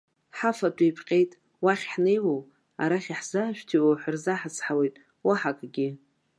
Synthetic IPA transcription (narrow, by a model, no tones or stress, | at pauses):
ħafatʷʼijpʰqʲʼe̞jtʼ | waχʲħne̞jwow | aɾaχʲiħz̥aːʃᶣtʰiwaħʷarzaħat͡sʰʼħawejtʼ | waħakʼɡʲɪ